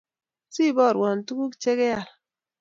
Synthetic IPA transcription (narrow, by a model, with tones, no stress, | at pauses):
si˦˨bɔ˦˨ɾwɔ˨n̩˨tu˦ku˦t͡ʃe˦ke˦ja˨l